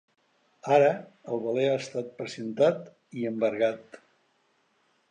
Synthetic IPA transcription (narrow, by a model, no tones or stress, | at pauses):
aɾəəlˠβəleaəst̪at̪̚pɾəzənt̪at̪ | iəmbəɾɣat̪